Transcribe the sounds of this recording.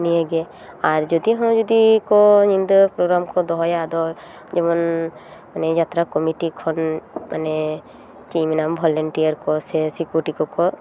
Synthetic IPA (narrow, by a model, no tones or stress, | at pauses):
nieɡɛ | aɾd͡ʒɔd̪iɦɔ̃d͡ʒɔd̪ikɔnind̪ɔpɾɔɡɾamkɔd̪ɔɦɔjad̪ɔ | d͡ʒɛmɔnmanɛd͡ʒat̪ɾakɔmiʈikʰɔnmane | t͡ʃiminambʱɔlɔɳʈiaɾkɔsɛsikuʈikɔkɔ